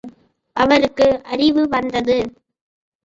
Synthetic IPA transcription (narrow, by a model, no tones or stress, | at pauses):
ʔɐʋɐɾɯkːɯʔɐrɪʋɯʋɐnd̪ɐðɯ